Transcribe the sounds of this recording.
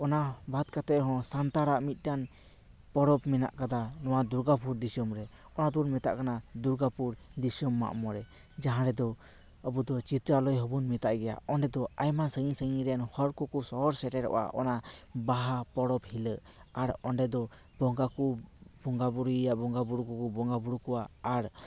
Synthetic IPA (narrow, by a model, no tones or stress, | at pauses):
ɔnabʱat̪̚kat̪ɛɾɦɔ̃sant̪aɾaʔmit̪̚ˀtan | pɔɽɔpmɛna̰ʔkad̪anɔwad̪uɾɡapuɾd̪isɔmɾɛ | ɔnad̪uɾmɛt̪a̰ʔkanad̪uɾɡapuɾd̪isəmːa̰ʔmɔɾɛ | d͡ʒaɦãɾɛd̪ɔ | əbud̪ɔt͡ʃit̪ɾalɔjɦɔbunmɛt̪aʔɡɛja̰ɔnɖɛd̪ɔajmasəŋisəŋiɾɛnhɔɾkɔkɔsɔɔɾsɛʈɛɾɔ̰ʔa̰ʔɔ̰nabaɦapɔɽɔphiləʔaɾɔnɖɛd̪ɔ | bɔŋɡakubɔŋɡabuɾijabɔŋɡabuɽukukɔbɔŋɡabuɽukɔwaːɾ